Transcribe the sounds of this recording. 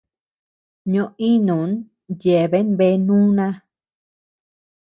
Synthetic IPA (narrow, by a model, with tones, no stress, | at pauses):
ɲõ˧i˦nũ˨˦n | je˨βe˦nβe˧˦nũː˦nã˦